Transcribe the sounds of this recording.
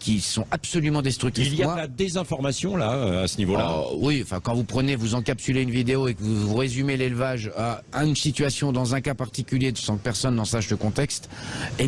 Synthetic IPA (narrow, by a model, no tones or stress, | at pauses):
kʲisɔ̃ʔapsɔlymɑ̃d̪ɛst̪χyk̚t̪iiflijadalad̪ezɛ̃fɔʁmasjɔ̃laøasənivola̰wiɑ̃fɛ̃kɑ̃vupχənevuzɑ̃kapsyleynvid̪eoekəvuvuʁezymelelvaʒaynsit̪ɥasjɔ̃d̪ɑ̃zɛ̃kapaʁt̪ikʲyljed̪əsɑ̃kə̥pɛʁsɔnːɑ̃saʃləkɔ̃t̪ɛkst̪e